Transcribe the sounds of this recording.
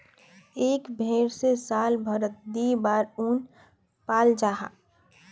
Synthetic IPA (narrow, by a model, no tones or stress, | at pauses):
eːkbʱeːɾsesaːlbʱəɾət̪̚d̪iːbaːɾuːn | paːld͡ʒaːɦa̰